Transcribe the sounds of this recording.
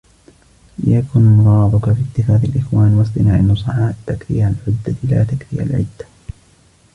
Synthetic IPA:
l̰jakʊnmʊɾɑːd̪ˤʊkafit̪ːɪxaːðalʔɪxwaːnwɑs̬t̪ˤɨnaːʕɪnːʊsˤɑʕaːt̪ːakθḭːhalʕʊd̪ːala̰ːt̪akθḭːa̰lʕɪ̰d̪ːḁ

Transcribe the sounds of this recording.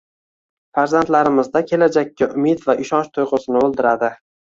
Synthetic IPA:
faɾzant̪laɾɪmɪzd̪akʲʰe̞lad͡ʒakʲːaʔʊmɪd̪vaʔɪʃɒnʃt̪ʰʊjʁʊsɪnɪolˠd̪ɪɾad̪ɪ

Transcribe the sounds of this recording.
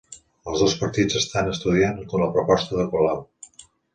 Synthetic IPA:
əlˠzðospəɾt̪id͡zəst̪anəst̪uð̞iankomləpɾupɔst̪əðəkulaw

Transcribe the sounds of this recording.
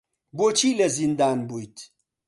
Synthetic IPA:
bot͡ʃʰiːlezind̪aːnbujt̪ʰ

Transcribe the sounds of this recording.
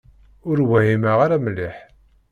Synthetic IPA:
ʊɾwæɦimaʁaɾamlːiħ

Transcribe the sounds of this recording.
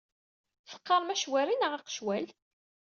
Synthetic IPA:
θə̥qːɑɾˤmæʃwæɾinəʁɑqʃwæl

